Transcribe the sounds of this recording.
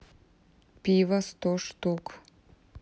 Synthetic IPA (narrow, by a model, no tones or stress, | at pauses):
pivɐst̪ʰoʂtʰukʰʼ